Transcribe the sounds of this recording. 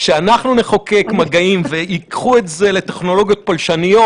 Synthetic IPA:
ʃeanaχnune̞χoke̞kmaɡaimveikχuetze̞le̞te̞χno̞lo̞ɡijo̞t̚palʃanijo̞t

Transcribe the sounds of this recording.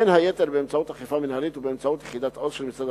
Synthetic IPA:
enhajet̪eʁbeemt͡saut̪haχifaminhalit̪ubeemt͡saut̪jeχid̪at̪ʔodʃelmisad̪

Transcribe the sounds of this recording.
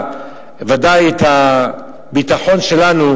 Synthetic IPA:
vadajet̪a | bit̪aħo̞nʃe̞lanu

